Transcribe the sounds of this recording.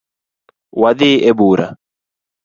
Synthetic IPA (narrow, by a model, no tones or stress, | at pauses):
wɐd̪iːʔebuːɾɐ̰